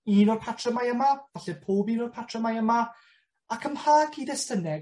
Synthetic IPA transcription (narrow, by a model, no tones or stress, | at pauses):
iːnɔrpʰatʰrəmajəmav̥aɬɛpʰoːbiːnɔrpʰatʰrəmajəma | akʰəmhaːɡidɛstənɛɡ